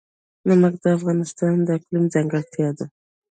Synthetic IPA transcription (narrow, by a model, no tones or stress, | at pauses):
namakd̪əafɣɑnɪst̪ɑnd̪əklimd͡zaŋɡaɾt̪ʰjɑd̪ə